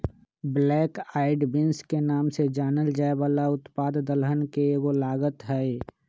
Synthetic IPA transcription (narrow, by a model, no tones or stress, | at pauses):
blɛːkaːɪɖbɪnskenaːmsed͡ʒaːnəld͡ʒaːebaːlaʊt̪paːd̪d̪əlɦənkeɡolaːɡət̪ɦɛe